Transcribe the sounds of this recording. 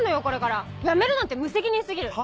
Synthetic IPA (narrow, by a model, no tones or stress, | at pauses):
nːo̞jo̞ko̞ɾe̞kaɾa | jame̞ɾɯ̟nãnt̪̬ːemɯ̟se̞kʲiɲ̟isɨɡʲiɾɯ̟